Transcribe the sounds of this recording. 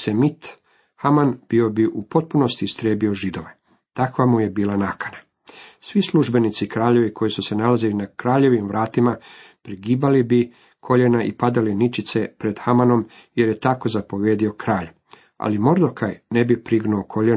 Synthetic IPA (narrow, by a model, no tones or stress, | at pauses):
semit̪ | hamanb̥io̞biʔupo̞t̪̚puno̞st̪ist̪ɾeːbio̞ʒid̪o̞ʋe | t̪akʋamuje̞biːlanakḁna | sʋisluʒbe̞nit̪sikɾaːʎe̞ʋikʰo̞jisuse̞nalazilinakɾaːʎe̞ʋimʋɾaːt̪imapɾiɡiːbalibi | kʰo̞ʎenaʔḭpad̪alinit͡ʃit̪se̞pɾe̞d̪̥xamano̞m | je̞ɾje̞t̪ako̞zapo̞ʋje̞ːd̪io̞kɾaːʎ | a̰limo̞ɾd̪o̞kʰajne̞bipɾiɡnuokʰo̞ʎe